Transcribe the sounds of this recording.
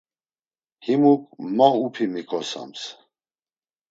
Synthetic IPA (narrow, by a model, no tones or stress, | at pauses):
himukʼmaupʰimikʼɔsa̰ms